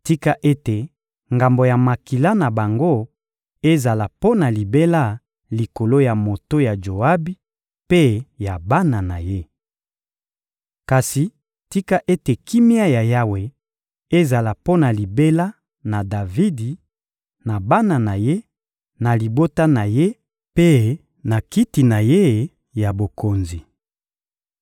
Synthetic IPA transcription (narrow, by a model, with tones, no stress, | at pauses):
ti˦ka˦ʔe˦te˨ | ŋɡa˨mbo˨ja˨ma˨ki˨la˦na˨ba˨ŋɡo˦ | e˦za˨la˨po˦na˨li˨be˦la˦˨ | li˨ko˨lo˦ja˨mo˨to˦ja˨d͡ʒo˨a˦bi˦ | pe˦ja˨ba˦na˨na˨je˦ | ka˨si˨ | ti˦ka˦ʔe˦te˨ki˦mja˦ja˨ja˦we˨ | e˦za˨la˨po˦na˨li˨be˦la˦ | na˨da˨vi˦di˨ | na˨ba˦na˨na˨je˦ | na˨li˨bo˦ta˦na˨je˦ | pe˦ | na˨ki˦ti˨na˨je˦ | ja˨bo˨ko˨nzi˨